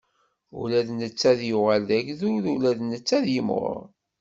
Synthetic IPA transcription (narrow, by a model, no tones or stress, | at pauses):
ṵɾæðnət͡sːæðjʊʁaldæʝðʊɾulæðnət͡sːæðjəmʁʊ̰ɾˤ